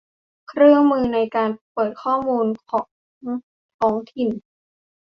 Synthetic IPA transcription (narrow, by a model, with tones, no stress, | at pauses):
kʰɾɯ˥˩əŋmɯː˧na˧jkaː˧npɤː˨˩t̪̚kʰɔː˥˩muː˧nkʰɔː˩˦ | t̪ʰɔː˩˦ŋt̪ʰi˨˩n